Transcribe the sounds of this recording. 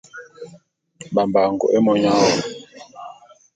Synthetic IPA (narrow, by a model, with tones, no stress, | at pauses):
ba˨mba˨ŋɡɔ̰˨ʔe˦mɔ˦ɲa˦wɔ˨